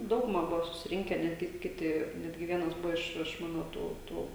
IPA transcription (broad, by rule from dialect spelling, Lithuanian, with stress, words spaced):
ˈdɐʊɡʊmɐ ˈbʊʋoː sʊsʲɪˈrʲɪŋʲkʲɛ ˈnʲæːdʲɡʲɪ ˈkʲɪtʲɪ ˈnʲæːdʲɡʲɪ ˈʋʲiɛnɐs ˈbʊʋoː ɪʃ ɪʃ ˈmɑːnoː ˈtuː ˈtuː